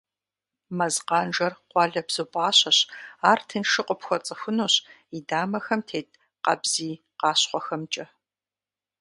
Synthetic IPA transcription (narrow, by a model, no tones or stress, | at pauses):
mɐzqɑːnʒɐrqʷɑːɮɐbz̥opʼɑːɕɐɕaːrtʰɨnʂɨqʷʼɔpxʷɔt͡sʼɨxʷʊnuːɕidaːmɐxɐmtʰeːt | qɐ̰bz̥iː | qɑːɕqʷɔxɐmt͡ʃʼɐ